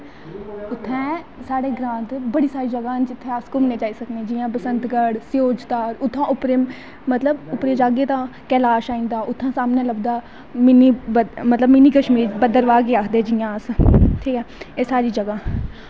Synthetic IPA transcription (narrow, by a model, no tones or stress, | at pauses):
ʊt̪ʰːɛ̃ː | saːɽeːɡɾãːnt̪bəɽiːsaːɾiːd͡ʒəɡãːnd͡ʒɪt̪ʰːẽːəskʊmnẽːd͡ʒaːiːsəknẽːd͡ʒiːjãːpəsənt̪ɡəɽsɪjoːd͡ʒt̪aːɾʊt̪ʰːãːʊpɾeː | mət̪ləbʊpɾeːd͡ʒaːɡeːt̪ãːkɛːlaːʃaːĩːnd̪aːʔʊt̪ʰːãːsaːmnẽːləbd̪aː | mɪniːəmət̪ləbmɪniːkəʃmiːɾbəd̪əɾʋaːkeːaːkʰd̪eːd͡ʒiːãːəsʈʰiːkɛːeːsaːɾiːd͡ʒəɡãː